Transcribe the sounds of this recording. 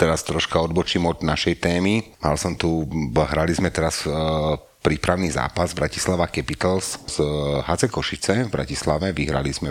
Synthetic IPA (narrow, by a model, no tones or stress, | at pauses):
t̪ɛɾast̪ɾɔʃkaɔd̪bɔt͡ʃimɔd̪naʃɛjt̪ɛːmima̰lsɔmt̪uɦɾalizmɛt̪ɛɾas | pɾiːpɾaʊniːza̰ːpazbɾaci̥slaʋakɛpit̪lszɦat͡sɛkɔʃit͡sɛvbɾa̰cislaʋɛʋiɦɾa̰lizmɛ